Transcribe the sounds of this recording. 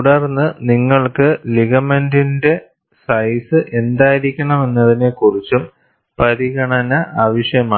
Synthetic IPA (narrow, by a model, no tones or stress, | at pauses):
uɽɐrnːɨniŋːɐɭkɨliɣɐme̞ndinde̞ | sɐjsɨʔe̞nd̪aːjiɾikʲːɐɳɐme̞nːɐðine̞kurit͡ɕːum | pɐɾiɣɐɳɐnɐʔaːʋɐʂjɐmaː